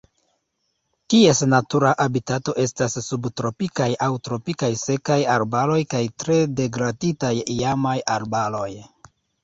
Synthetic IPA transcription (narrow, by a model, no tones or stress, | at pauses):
kie̞snatuɾaʔabitato̞ʔe̞stasːubtɾo̞pikajawtɾo̞pikajse̞kajaɾbalo̞jkajtɾe̞de̞ɡɾaditajiamajaɾbalo̞j